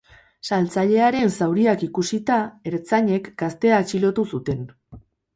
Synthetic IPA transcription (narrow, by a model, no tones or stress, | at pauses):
salt͡saʎe̞aɾe̞nsawɾiakikusit̪ae̞ɾt͡saɲe̞kɡ̥ast̪e̞at͡ʃilo̞t̪usut̪e̞n